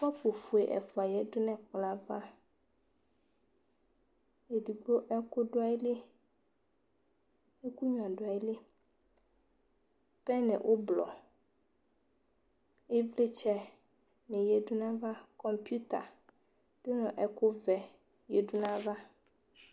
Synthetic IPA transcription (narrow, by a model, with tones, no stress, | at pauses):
fɔ˦po˨fu˨e˨ʔɛ̰˨fo˨a˨jɛ˦do˦nɛ̃˦k͡pla˨va˦ | e˨di˨ɡ͡bo˦ʔɛ˦ko˦ɖo˦a˦i˦le˦ | e˦ku˦ɲ˨ã˨ɖo˨a˨i˦le˦ | pɛ˦nɛ̰̃˨ʔo˦blɔ̰˨ | e˦vle˦t͡ʃɛ˦ | nɛ̃˨je˨ɖu˦nã˦va˦kɔ˨mpju˦t̪a̰˨ | d̥o˦nɔ̃˨ʔɛ˦ko˦vɛ˨ | je˨ɖu˦nã˦va˦